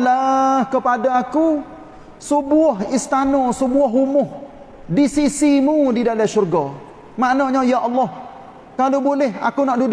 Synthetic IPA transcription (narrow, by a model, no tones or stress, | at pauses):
lahkəpadaːku | səbuaɦist̪anɔsəbuaɦumʊh | disisimudidalaʃurɡɔ | maʔnaɲajaʔɔlːɔh | kalobolɛɦa̰kunaʔdud